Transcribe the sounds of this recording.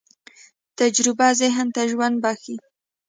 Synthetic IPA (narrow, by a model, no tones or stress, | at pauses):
t̪ad͡ʒɾɪbazɪɦnt̪aʒwand̪̚baxi